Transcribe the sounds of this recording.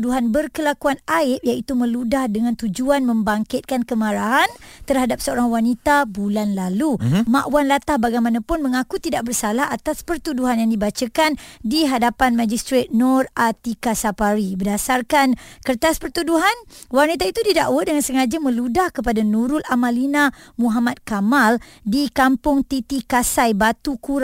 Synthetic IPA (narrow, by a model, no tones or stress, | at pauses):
duɦanbərkəlakuanaɪp̚jait̪umə̃ludahdəŋãnt̪ud͡ʒuanmə̃mbaŋkɪt̪̚kankəmãɾaɦant̪ərhadap̚səoɾaŋwanit̪abulanlaluma̰ʔwanlat̪ahbaɡajmãnãpʊnmə̃ŋakut̪idaʔ̚bərsalaɦat̪aspərt̪uduɦanjaŋdibat͡ʃakandiɦadapanmãd͡ʒist̪ɾet̪̚nɔrat̪ikasapaɾibədasarkankərt̪aspərt̪uduɦanwarnit̪ait̪udidaʔwədəŋansəŋad͡ʒəmə̃ludahkəpadanũɾʊlʔamãlinamũɦamat̪̚kamaldikampʊŋt̪it̪ikasajbat̪ukuɾ